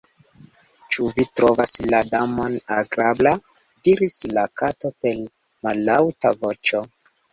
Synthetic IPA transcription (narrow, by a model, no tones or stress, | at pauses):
t͡ʃuvitɾovasladamo̞naɡɾabla | diɾislakatopelmalːawtavo̞t͡ʃo̞